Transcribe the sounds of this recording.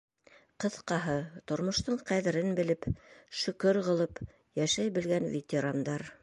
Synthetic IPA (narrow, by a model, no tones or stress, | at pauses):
qɤ̆θqɑɦɤt̪ŏɾmŏʃt̪ɤɴqæðɘ̆ɾɘnbɘ̆lɘpʃɵ̆kɵɾʁɤ̆lˠɤp | jæʃæjbɘ̆lɡænvʲet̪ʲeɾand̪ɑɾ